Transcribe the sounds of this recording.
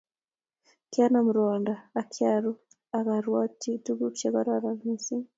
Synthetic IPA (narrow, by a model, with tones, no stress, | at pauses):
kja˦namuɾandaː˨kʰjaɾu˦ | a˨ka˨ɾwati˦tu˦ɡu˦t͡ʃaka˦ɾaɾaɾmisi˦